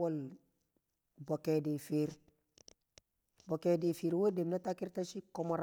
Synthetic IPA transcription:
wol | bokedifeɾ | bokedifiːɾwodemnatakiɾtasikomoɾ

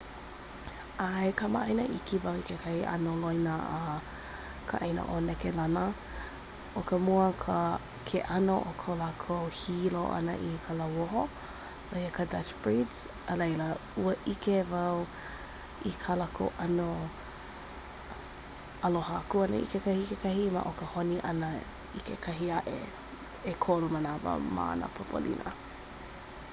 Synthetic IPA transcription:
ajkama̰ʔɐjnəʔikivɐwikʰekʰɐhiʔɐ̰nolojnəa | kʰə̰ʔejnə̰ʔolɛkelɐnə | ʔokəmuəkʰə | kʰeʔɐnoʔokʰolakʰowhiloʔɐ̰nə̰ʔikʰalɐwoɦo | ojəkʰədɐt͡ʃb̥ɹidz̥ | əlejləuəʔikevɐw | ikʰalakʰo̰wʔɐno | ɐloɦakuɐnə̰ʔḭkekɐhikekɐɦima̰ʔokəhoniʔɐnə | ikekʰɐɦiɐʔḛ | ekʰolumənavə̰ma̰ɐ̰nə̰pʰopʰo̰lḭnə̰

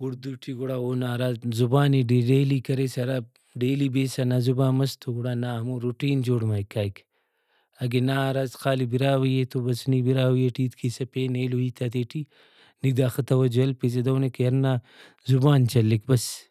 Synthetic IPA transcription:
uɽd̪uʈʰiɡuɽawonaːɾazzubaːniɖiɖelikɐɾesɐɾa | ɖeːlibeːsanazubaːmɐst̪ʰoɡuɽaːnaːmuɾuʈiːnd͡ʒoːɽmajkaːjk | ɐɡenaɾazqaːlibiɾaːwɐjet̪ʰobɐsnibiɾaːwjeʈiːt̪kʰisɐpeneloit̪ʰat̪eʈi | nid̪aːxɐt̪ɐwɐd͡ʒɐlpiz̬ed̪ɐwnekjɐɾna | zubaːnt͡ʃɐlːikbɐs

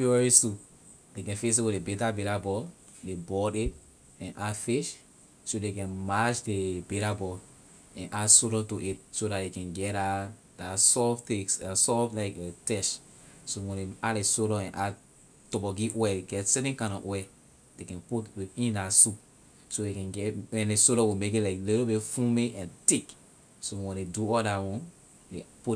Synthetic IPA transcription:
iwɛɹisup | dekɛ̃nfes̬iwidebetabeɾabɔ | debɔdit̚ | ɛ̃nʔafeʃ | sodekɛ̃nmad͡ʒdebetabɔ | ɛ̃nʔasoɾɔ̃ntoʔit̚sodadekɛ̃nɡɛa | dasɔfteksdasɔflaɪkɛtɛʃ | sowɛ̃neatlesoɾɔ̃ɛ̃nʔa | tɔbɔɡiwɛeɡɛtsɛtɛ̃nkãɪ̃nɔ̰wɛ | dekɛ̃nputwiĩndasup̚ | sodekɛ̃nɡɛwɛ̃ndesoɾɔwimekitlaɪkliɾobifũmiɛ̃ntik | sowɛ̃ndeduɔdawɔ̃n | depu

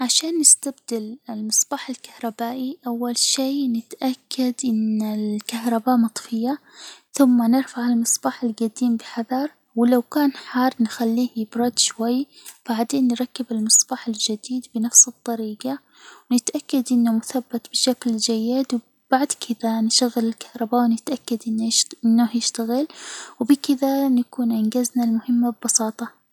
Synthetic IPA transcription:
ʕaʃaːnːɪst̪abd̪ɪlɪlmɨsˤb̥aːħɪlkḁhɾˤɑbaːʔiʔawːalʃeːnɪt̪ʔakːad̪ʔɪnːɪkahɾˤɑbaːʔmɑt̪ˤfɪjːaθʊmːanɪɾfaʕɪlmɨsˤb̥ɑːħɪlɡad̪iːmbɪħɑðˤɑɾˤ | wɪlawkaːnħɑːrˤnxalːiːhjɪbɾɑd̪ʃwajːb̥aʕd̪eːnːɾˤɑkːɪbɪlmɨsˤbɑːħɪld͡ʒɪd̪iːd̪bɪnafsɨt̪ˤːɑɾiːɡa | wnɪt̪ʔakːad̪ʔɪnːamʊθabːat̪bɪʃakld͡ʒajːɪd̪w | b̥aʕd̪kʰɪðanʃaɣːɪlɪlkɑ̥hɾˤɑbawnɪt̪ʔakːad̪ʔɪnːʔɪnːahjɪʃt̪aɣɪlwbɪkɪðanakuːnʕɪnɡaznalmʊhɪmːab̚bɑsˤɑːt̪ˤɑ

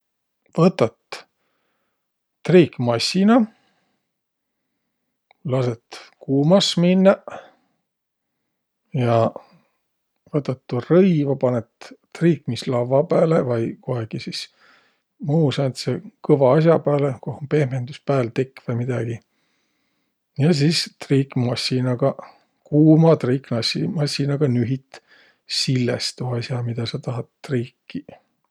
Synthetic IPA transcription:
vɤt̪ːˑɑt̪ | rikmɑsʲːinɑ | lɑset̪kuːmɑsminːɑ | jɑ | vɤt̪ːˑɑt̪ːurɤjvɑpɑnet̪t̪riːkmislɑvːɑpæːlevɑjko̞ɦeɡ̥isis | muːsɑːnt̪sekɤvɑɑs̬ʲjɑpæːlekohmpe̞hmend̪uspæːlt̪ekːˑvɑmid̪̥ɑɡ̥i | jɑs̬iːst̪riːkmɑsʲinɑɡ̥ɑ | kuːmɑt̪riːknɑsimɑsʲinɑɡ̥ɑnyɦit̪ | silːḛst̪uɑsjɑmid̪̥ɑsɑt̪ɑɦɑt̪ːriːkːi

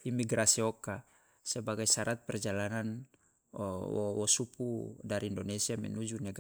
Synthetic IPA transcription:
imiɡɾasiɔka | sɛbaɡajsaɾat̪̚pɛrd͡ʒalanan | wɔ̰wɔsupudaɾiːndonɛsiamɛ̰nud͡ʒunɛɡa

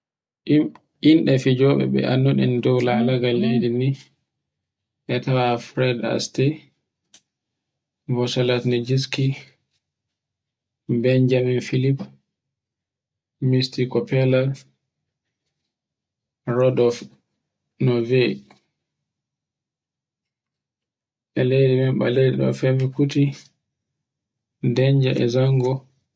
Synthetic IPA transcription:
inɗɛfid͡ʒɔɓɛ̰ɓɛ̰ʔa̰nːuɗḭndɔwlaːlaɡalːedini | ʔɛtawaafɾɛda̰stɛ | vɔsalatned͡ʒis̬ki | bɛnd͡ʒaminfilip | mistikɔpɛla | ɾɔdɔf | nɔvɛ | ʔɛledɛmɛmɓa̰ledɛɗɔ̰fɛmikuti | dɛɲd͡ʒaʔɛ̰zaŋɡɔ

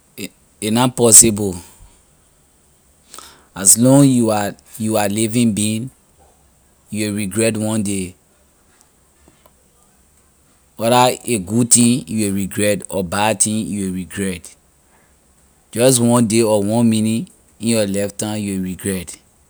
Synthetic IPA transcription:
enapɔsibɔ | aslɔ̃ŋjua | jualivĩnbĩn | jueɹiɡɹɛt̬wɔ̃nde | wɔɾaeɡud̚tĩjueɹiɡɹɛtɔbadtʰĩnjuweɹiɡɹɛt | d͡ʒɔst̬wɔ̃ndeɔwɔ̃nmĩnĩ | ĩjɔlɛftãmjuweɹiɡɹɛt

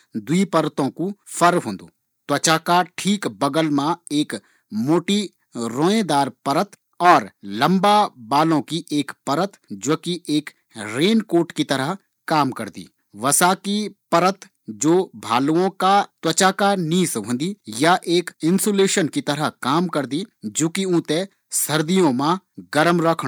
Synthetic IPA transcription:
d̪uipəɾt̪õkufəɾɦõːnd̪o̰ː | t̪wɐt͡ʃakaʈʰiːkbɐɡəlmãeːk | moːʈi | ɾõːẽd̪aːɾpɐɾət̪ | ɔːɾlɐ̃mbabaːlõkiʔeːkpɐɾət̪d͡ʒoːkiʔeːk | ɾeːnkoːʈkit̪ɐɾəɦ | kaːmkɐɾd̪ḭː | ʋɐsaːkipɐɾət̪ | d͡ʒoːbʱa̰ːluõkat̪wɐt͡ʃakaniːsʋə̃nd̪ijaʔeːkɪ̃nsoːleːʃənkit̪ɐɾəɦkaːmkɐɾd̪id͡ʒoːkiũːt̪e | sɐɾd̪ijõmãɡɐɾəmɾɐkʰɽ

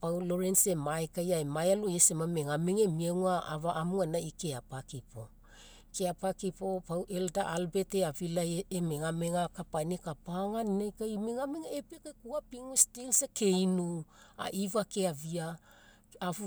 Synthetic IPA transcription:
pawloɾense̞maekajaemajaloesemameŋameŋemiauaavaʔamuanaikeapakipo | keapakipopawʔeldaʔalbe̞teavilajemeŋameŋakapanekapaŋaninajkajmeŋameŋaepekakuapiŋustilseke̞jnua̰ʔivakeavia | av

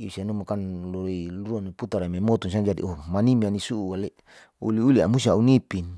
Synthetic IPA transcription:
isanumakanloɾiluɾuaniput̪aɾamemot̪uns̬iad͡ʒadḭomanimianisuuale | ṵliulia̰musiaunipin

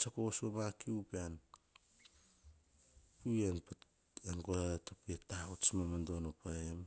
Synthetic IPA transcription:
t͡ʃakosomakiupean | puen | anɡotopietaut͡ʃmamandonopaem

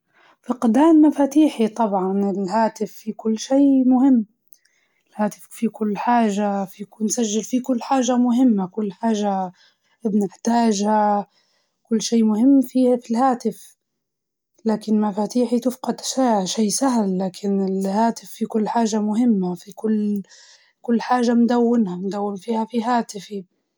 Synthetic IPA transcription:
fɪqd̪aːnmafaːt̪iːħit̪ˤɑbʕɑnɪlɦaːt̪ɪfːikʊlːʃeːmʊhɪmː | ɪlhaːt̪ɪffikʊlːħaːʒafikunsaʒːɪlfikʊlːħaːʒamʊɦɪmːakʊlːħaːʒa | bnɪħt̪aːʒha | kʊlːʃiːmʊhɪmːfiːfilhaːt̪ɪf | laːkɪnmafaːt̪iːħit̪ɪfqɑd̪ʃaːʃiːsaɦlːaːkʰɪnɪlhaːt̪ɪfːikʊlːħaːʒamʊɦɪmːafikʊlː | kʊlːħaːʒamd̪awːɪnhand̪awːɪnfiːhafiɦaːt̪ɪfi

